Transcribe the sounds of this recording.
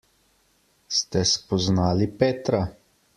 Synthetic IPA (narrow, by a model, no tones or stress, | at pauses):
st̪ɛspɔznaːlipeːt̪ɾa